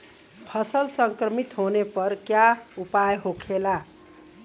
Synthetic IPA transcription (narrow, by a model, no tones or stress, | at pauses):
pʰʌsəlsəŋkɾəmit̪ɦonepʌɾkjaupajɦokʰela